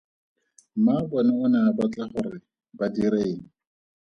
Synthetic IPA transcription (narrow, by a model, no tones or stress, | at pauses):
mabɔnaʊnabat͡ɬʼaχʊrɪ | badiɾeːŋ̩